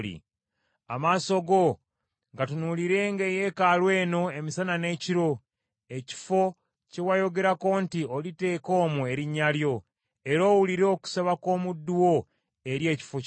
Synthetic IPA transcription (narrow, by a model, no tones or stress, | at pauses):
lḭ | amaːso̞ɡo̞ | ŋɡatunuliɾe̞ŋɡeje̞kalwe̞ːno̞e̞misanane̞ːciɾo̞ | e̞ci̥fo̞ | cewajo̞ɡe̞ɾako̞ːntiolite̞ːko̞ːmue̞ɾiɲːaljo̞ | e̞ɾo̞ːwuliɾoku̥saβako̞ːmudːuwo̞ | e̞ɾje̞ːci̥fo